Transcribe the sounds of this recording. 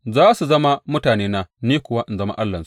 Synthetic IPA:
zaː˦su˨zɐ˦ma˦mʊ˦taː˨neː˦na˨niː˦kʷʊ˨waː˦ʔɪ˨nzɐ˦ma̰˦ʔa˦lːɐ˨nsu˦ʔ

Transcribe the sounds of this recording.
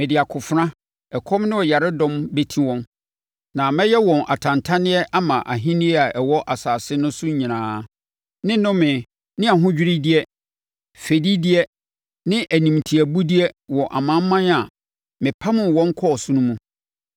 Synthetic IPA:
mɪ̃˨dɪ˨a˨kʰʊ˨fʊ˨ɾã˦ | ɛ˨kʰɔ̃˦mnɪ̃˦ɔ˨ja˨ɾɪ˦dɔ̃˦mbe˦tʰĩ˦wɔ̃˦n | nã˨mɛ̃˦jɛ˦wɔ̃˨nʔa̰˨tʰã˨ntʰa˦nɪ̃˦ɛ˦ʔa˦mã˨ʔa˨ɦĩ˦nɪ̃˦ɛ˦a˨ʔɛ˨wɔ˦ʔa˨saː˨sɪ˦nʊ̃˦sʊ̃˦ɲĩ˨nãː˨˦ | nɪ̃˦nʊ̃˦mɪ̃˨ | nɪ̃˦a˨ɦʊ̃˦d͡ʑᶣɪ˦ɾi˦dɪ˦ɛ˦ | fe˨di˦di˦ɛ˦ | nɪ̃˦ʔæ˨nĩ˨mtʰi˨æ˨bu˦di˦ɛ˦wɔ˨ʔa̰˨mã˦m˦mã˦na˨ | mɪ̃˨pʰa˦mʊ̃˨wɔ̃˦ŋ˦kʰɔ˦ɔ˨sũ˦nũ˦mũ˦

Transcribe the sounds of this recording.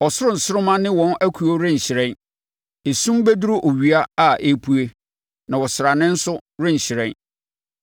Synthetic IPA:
ɔ˨sʊ˦ɾʊ̃˦˨n̩˨sʊ˦ɾʊ˦mã˦nɪ̃˦wɔ̃˦næ˦kʰu˨o˦ɾɪ̃˦˨ɕɪ˨ɾɛ̃˦n | e˨sũ˦mbe˦du˦ɾʊ˦ʔo˨ɥi˨a˦a˦˨ʔe˦pʰu˦e˦ | nã˨wɔ˨sɪ˨ɾa˨nɪ̃˦n̩˦sʊ˦ɾɪ̃˦˨ɲ̩˨ɕɪ˨ɾɛ̃˦n

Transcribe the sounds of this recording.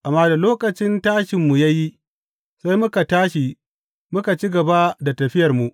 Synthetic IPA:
ʔa˨mːaː˦da˨loː˦kʼɐ˨t͡ʃɪ˦ntaː˦ʃɪ˨mːu˨ja˦ji˦ | sa˦jmʊ˦ka˨taː˦ʃi˨ | mʊ˦ka˨t͡ʃi˦ɡɐ˨ba˦da˨tɐ˨ɸɪ˦jɐ˨rmu˨ʔ

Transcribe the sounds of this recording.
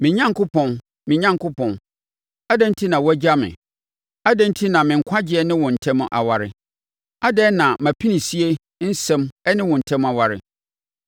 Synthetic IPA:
mɪ̃˨ɲã˦ŋkʊ˦pʰɔ̃˨n | mɪ̃˨ɲã˦ŋkʰʊ˦pʰɔ̃˨n | a˦dɛ̃˦n̩˦tʰi˦nã˨wɔ˦æ˦d͡ʑa˦mɪ̰̃˨ | a˦dɛ̃˦n̩˦tʰi˦nã˨mɪ̃˨ŋ̩˨kʷʰã˦d͡ʑɪ˦ɛ˦nɪ̃˦wɔ̃˨n̩˨tʰɛ̃˦m̃˦ʔa̰˨wa˨ɾɪ̰˨ | a˦dɛ˦nã˨mã˨pʰi˦nĩ˨si˦e˦ | n̩˦sɛ̃˦mɛ˦nɪ̃˦wɔ̃˨n̩˨tʰɛ̃˦ma˨wa˨ɾɪ̰˨

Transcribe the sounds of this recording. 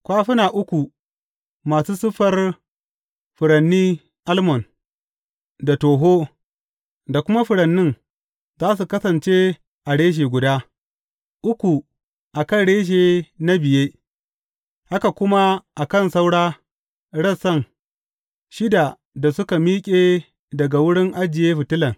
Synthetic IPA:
kʷaː˦ɸɪ˦naː˨ʔʊ˦kʷu˨ | maː˨suː˦sʊ˦ɸɐ˦r | ɸʊ˨ɽɐ˨nːiː˦ | ʔa˦lmɔ˨n | da˨toː˨ɦoː˦ | da˨kʷʊ˦ma˦ɸʊ˨ɽɐ˨nːɪ˦n | zaː˦s̬u˨kɐ˦sɐ˨nt͡ʃe˦ | ʔa˨ɽeː˦ʒ̬eː˨ɡʷʊ˨daː˦ | ʔʊ˦kʷu˨ | ʔa˨kɐ˦nɽeː˦ʃ̬eː˨na˦bɪ˨jeː˦ | ʔa˦ka˨kʷʊ˦ma˦ʔa˨kɐ˦˨nsa˦wɽaː˦ | ɽɐ˦sɐ˦˨ŋ | ʃɪ˦da˨ | da˨sʊ˦ka˨miː˦kʲʼeː˦ | dɐ˨ɡa˨wʊ˦ɽɪ˦ŋʔa˦d͡ʒɪ˨jeː˦ɸɪ˨tɪ˦lɐ˨ŋ

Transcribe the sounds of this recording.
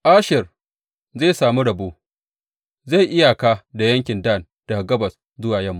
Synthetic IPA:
ʔaː˦ʃɪ˨r | zeː˦˨saː˨mu˦ɽɐ˨boː˦ | za˦˨jʔɪ˦ja˨kaː˦da˨jɐ˦ŋkʲɪ˨ndaː˦˨n | d̥a˨ɡɐ˦bɐ˨s | zʊ˦waː˨jɐ˦˨mːu˨

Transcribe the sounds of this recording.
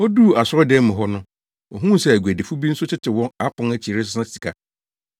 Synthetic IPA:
ɔ˦du˦˨a˨sʊ˦ɾɔ˦dɛ˦mʊ̃˨ɦɔ˦nʊ̃˦ | ɔ̰˨ɦũ˦˨sɛ˦æ˨ɡʷu˨æ˨de˨fu˦bi˦n̩˦sʊ˦t͡ɕʰɪ˦tʰɪ˨wɔ̃˦na˦pʰʊ̃˦ŋæ˦t͡ɕʰi˨ɾe˦s̬ʊ̥˦sã˦si̥˨kʰa˨

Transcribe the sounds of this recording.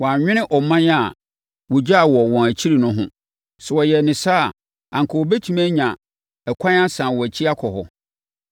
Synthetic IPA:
wɔ̃˨a˨ɲᶣɪ̃˦ñɪ̃˦ʔɔ˨mã˦n˦a˨ | wɔ˨d͡ʑa˦˨wɔ˨wɔ̃˨æ˨t͡ɕʰi˦ɾi˨nʊ̃˦ɦʊ̰̃˦ | sɛ˨wɔ˨jɛ˨nɪ̃˨sa˦˨ | ã˨ŋkʰɔ˨wɔ˨be˦tʰu˨mæ̃˦ɲã˨ | ɛ˨kʷʰã˦ã˦sãː˨wɔ˨æ˨t͡ɕʰi˦a˦kʰɔ˨hɔ̰˨

